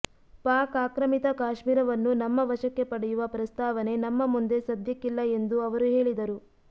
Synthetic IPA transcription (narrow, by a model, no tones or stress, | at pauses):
paːkaːkɾɐmit̪ɐkaːʃmiːɾɐʋɐnːunɐmːɐʋɐʃɐkːe̞pɐɽɛjuʋɐpɾɐst̪aːʋɐne̞nɐmːɐmund̪e̞sɐd̪jɐkːilːɐe̞nd̪uɐʋɐɾuɦe̞ːɭid̪ɐɾu